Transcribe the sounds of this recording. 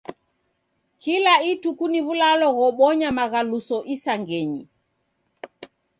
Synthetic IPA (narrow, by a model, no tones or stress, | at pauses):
kilaitukuniβulalɔɣɔɓɔɲamaɣalusɔʔisaŋɡɛɲi